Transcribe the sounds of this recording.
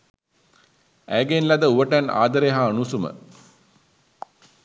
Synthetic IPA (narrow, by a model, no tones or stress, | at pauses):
æjɡenlad̪əuʋəʈæna̰ːd̪əɾeɦaːnusumə̰